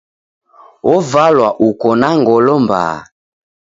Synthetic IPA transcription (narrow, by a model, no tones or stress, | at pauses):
ɔvalwaʔukɔnaŋɡɔlɔmba̰ː